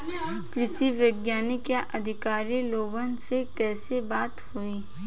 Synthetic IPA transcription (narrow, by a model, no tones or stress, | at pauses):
kɾɪʃiʋjəɡjaːnɪkjaʔɐd̪ʱɪkaːɾiloːɡənsekɛːsebaːt̪huiː